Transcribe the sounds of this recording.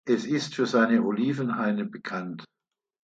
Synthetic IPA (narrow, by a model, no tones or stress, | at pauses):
ʔɛsɪstfyːɐzaɪnəʔoliːvənhaɪnəbəkʰant